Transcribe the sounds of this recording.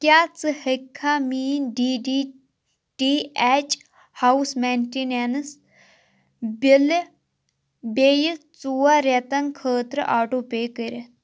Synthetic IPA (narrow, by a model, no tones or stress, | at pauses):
kʲaːt͡sɨhəkʰːamiːnɖiːɖiː | ʈiːɛt͡ʃ | hawsmeːnʈinens | bɪl | beːjit͡suːaɾet̪ɐŋkʰəːt̪ɾɨʔaːʈoːpeːkəɾe